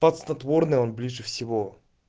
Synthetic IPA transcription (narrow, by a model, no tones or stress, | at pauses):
pɐt̪snɐt̪vornɨjonblʲiʐɨfsʲɪvo